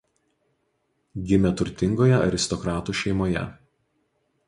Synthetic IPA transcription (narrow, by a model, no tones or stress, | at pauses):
ɡʲɪmʲɛt̪ʊɾʲt̪ʲɪŋɡoːjɛɐ̰ɾʲɪst̪ɔkɾɑːt̪uːʃʲɛɪmoːjɛ̰